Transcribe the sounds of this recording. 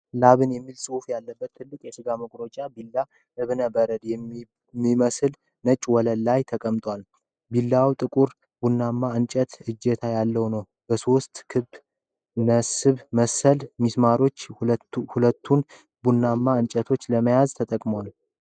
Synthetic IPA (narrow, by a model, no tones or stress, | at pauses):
laβɨnjɛmːilsʼɨufjalːəbːət̪ʰːɨlːɨkʼjɛsɨɡaməkʷʼɾot͡ʃʼabilːa | ʔɨβnəbəɾəd̪jɛ | mːiməsɨl | nət͡ʃʼwɔləlːajt̪ʰəkʼəmt̪ʼwal | bilːawt̪ʼɨkʼuɾ | bunːamːaɨnt͡ʃʼət̪ɨd͡ʒːet̪ʰajalːəwnəw | bəso̞st̪kʰɨbː | nəsɨβməsəlmismaɾo̞t͡ʃːhulət̪ʰːun | bunːamːaɨnt͡ʃʼət̪ʰo̞t͡ʃːləməjazt̪ʰət̪ʼəkʼmowal